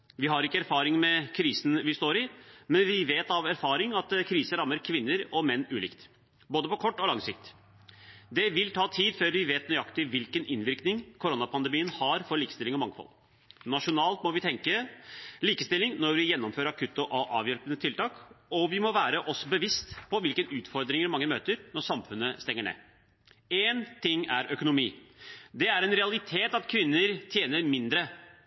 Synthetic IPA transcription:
ʋɪɦɑɾɪkːəæɾfɑːɾɪŋmɛkʰɾiːsn̩ʋɪst̪oːɾɪmɛnʋɪʋeːt̪ɑʋæɾfɑːɾɪŋɑt̪kʰɾiːsəɾɑmːəɾkʰʋɪnːəɾɔmɛnːʉːlɪ̰ːkt̪ | boːd̪əpɔkʰɔʈːɔlɑŋsɪkt̪ | d̪ɛʋɪlt̪ʰɑːt̪ʰiːd̪føːɾʋɪʋeːt̪nʏɑkt̪ɪʋɪlkənʔɪnʋɪɾknɪŋkʰʊɾonɑpʰɑnd̪ɛmiːənhɑɾfɔɾɭiːkəst̪ɪlɪŋɔmɑŋːfɔ̰l | nɑʂʊnɑːlt̪mɔʋɪt̪ʰɛŋkəliːkəst̪ɪlːɪŋnɔɾʋɪjɛnːɔmføːɾɑkʰʉt̪ːɔʔɑʔɑ̰ːʋjɛlpənət̪ʰɪlt̪ɑːkɔʋɪmɔʋæːɾəʔɔsɔbəʋɪst̪pʰɔʋɪlkənʉːt̪fɔɾd̪ɾɪŋəɾmɑŋːəmøːt̪əɾnɔʂɑmfʉnːəst̪ɛŋːəɳḛː | eːnt̪ʰɪŋːæ̰ɾœkʊnʊmiːd̪ɛæɾɛnɾɛɑlɪt̪ʰeːt̪ɑt̪kʰʋɪnːəɾt̪ʰjeːnəɾmɪnd̪ɾə

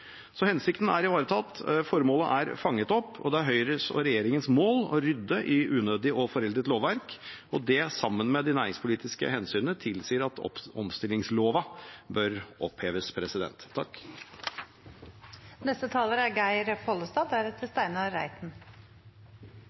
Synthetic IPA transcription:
sɔhɛnsɪkt̪n̩æɾɪʋɑːɾət̪ʰɑt̪ːfɔɾmoːləʔæɾfɑŋːət̪ɔpːɔ̰d̪ɛæɾɦœʏɾəsɔ̰ɾɛjeːɾɪŋənsmoːlɔɾʏd̪ːəʔɪʔʉːnøːd̪ɪʔɔfɔɾɛld̪ɾət̪loːʋʋæɾkɔd̪ɛsɑmːənmɛd̪ɪnæːɾɪŋspʰʊliːt̪ɪskə̰hɛnsyːnət̪ʰɪlsiːəɾɑt̪ɔ̰ɔ̰mst̪ɪlɪŋsloːʋɑbœɾɔpheːʋəspʰɾɛsɪd̪ɛ̰nt̪ʰːɑkː | nɛst̪ət̪ʰɑːləɾæɡæɪɾpʰɔləst̪ɑːd̪æɾɛt̪ʰəst̪æɪnɑɾæ̰ɪt̪n

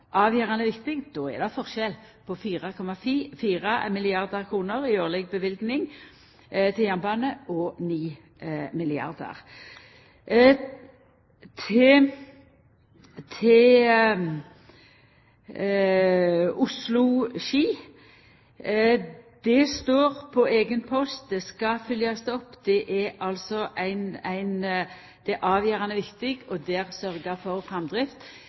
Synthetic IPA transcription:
ʔɑːʋjøːʁɑnəʋɪkt̪ɪŋd̪̥oːɛ̰d̪ɛfɔʁʃɛl | pʰɔfiːʁɑkʰɔmɑffiːʁɑmɪlɪɑʁd̪əʁkʰʁuːnəʁɪøːʁlɛɡ̚bəʋɪlɡnɪŋ | t̪ʰɪljæʁnbɑːnəʔɔniː | mɪlɪɑ̰ʁd̪ə̰ʁ | t̪ʰɪ | t̪ʰɪl | ʊslʊʃiː | d̪̥ɛst̪oːʁpʰɔeːɡənpʰɔst̪̚d̪ɛskɑfʏljɑsd̪ɛɔpːd̪ɛʔɛɑlsɔʔæɪnæɪn | d̪̥ɛʔɑːʋjøːɾɑnəʋɪkt̪ɪɡɔd̪ɛːɾsœɾɡəfɔɾfʁɛmd̪ɾɪft̪

